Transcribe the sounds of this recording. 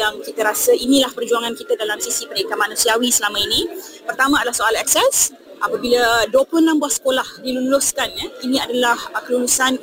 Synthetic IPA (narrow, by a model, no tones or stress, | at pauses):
jaŋkit̪əɾasainĩlahpərd͡ʒuaŋãnkit̪adalamsisipəɾikamanũsiawisəlamãinĩpərt̪amãadalahsoalɛksɛs | ʔapabiladuəplʊnãmbuasə̥kolahdilunluskanɲainĩadalahkəlulusan